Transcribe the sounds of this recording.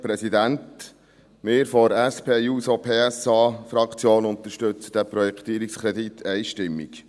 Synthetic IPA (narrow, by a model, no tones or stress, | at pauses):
pɾɛsid̪ænt | mɪːɾfoɾæspʰeːjuːsopʰeːæsɑːfɾɑkt͡sjoːnʊnt̪əʃtɵt͡sə̥d̥̪æpɾɔjɛkt̪iːɾikskʰɾɛd̪it̪ʰɛɪʃtɪmːḭk